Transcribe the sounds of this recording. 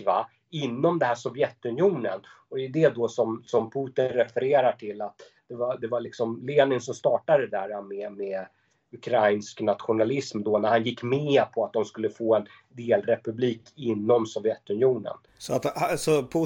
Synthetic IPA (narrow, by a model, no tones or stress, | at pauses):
va̰ | ɪnːɔmd̪ɛnɦæːʂɔvjɛt̪ːɵnjuːnə̰n | ɔd̪ɛʉd̪ɛd̪ɔsɔmsɔmpʰuːt̪ɪnɾɛfɛɾeːɾaʈʰɪlːat̪ | d̪̥ɛvad̪ɛvaɭɪksɔmleːnɪnsɔmst̪ɑːʈadd̪ɛd̪æɾamɛmɛ | ɵkʰɾajnsknat̪ɧʊnalɪsmd̪ɔnæɾhanjɪkːmeːpʰɔat̪̚d̪ɔmskɵlːəfoːɛn | d̪eːlɾɛpɵbliːkʰɪnːɔmsɔvjɛt̪ːɵnɪjuːnə̰n | sɔat̪asɔpʰː